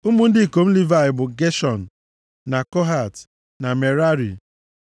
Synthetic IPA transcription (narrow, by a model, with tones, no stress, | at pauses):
u˦mu˦n̩˦dɪ˦i˨ko˨m̩˦li˦va˦˨ɪ˨bʊ˨ɡe˦ʃɔ˨n̩ː˨ | a˨kɔ˦ɦa˨t | na˨me˨ɾa˦ɾḭ˨